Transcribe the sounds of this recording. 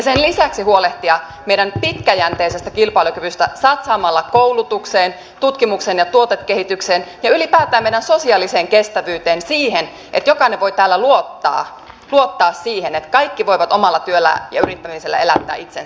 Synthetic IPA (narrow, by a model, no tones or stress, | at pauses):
jɑsenlisæksiɦuoleht̪iɑ | meiɾænpit̪kæjænt̪eisest̪ækilpɑilokyʋyst̪æsɑt̪sɑːmɑlːɑkowlut̪ukseːn | t̪ut̪kimukseːnjɑt̪uot̪et̪kehit̪ykseːnjɑylipæːt̪æːmejɾænso̞siɑliseːŋkest̪æʋyːt̪eːnsiːhen | ʔḛt̪jokɑineʋʋo̞it̪æːlːæluot̪ːɑ̰ː | luot̪ːɑːssiːhenet̪kɑjkːiʋo̞iʋɑt̪omɑlːɑt̪yølːæ̰jɑ̰yɾit̪ːæmiselːæ̰elæt̪ːæ̰ːʔit̪sen